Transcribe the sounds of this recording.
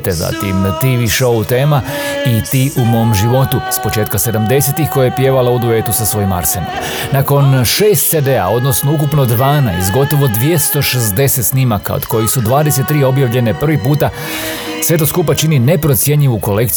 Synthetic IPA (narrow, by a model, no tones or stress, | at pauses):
t̪eza̰t̪imt̪iʋiʃout̪e̞ːma | it̪iːʔumo̞ːmʒiʋo̞t̪uspo̞t͡ʃe̞ːt̪kase̞d̪amd̪e̞set̪ixko̞jajepje̞ːʋalaud̪ue̞ːt̪usasʋo̞jima̰ɾsena̰ | nako̞nʃeːst̪t̪se̞d̪e̞a̰o̞d̪no̞sno̞uk̬upno̞d̪ʋaːnajst̪ɡo̞t̪o̞ʋo̞d̪ʋje̞st̪o̞ʃe̞zd̪e̞se̞t̪snimaka̰od̪̥ko̞jisud̪ʋaːd̪ese̞t̪ːɾiːo̞bjaʋʎe̞ne̞pr̩ʋipuːt̪a | sʋe̞t̪oskupat͡ʃinine̞pɾo̞t̪sje̞ɲʎiʋuko̞le̞kt̪